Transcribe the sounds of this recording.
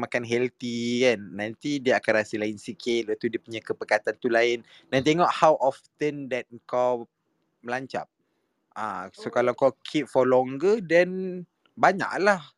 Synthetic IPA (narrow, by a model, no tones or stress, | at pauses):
makanɦɛlt̪ikanːant̪idiəakanɾasəlainsikʰɪlət̪udiəpuɲakəpəkat̪ant̪ulaɪn | dant̪eŋɔʔhawʔɔft̪əndɛt̪̚ŋkaw | məlaɲt͡ʃa̰p̚ | a̰sokalawkawkʰip̚fɔlɔŋɡədɛn | baɲa̰ʔlah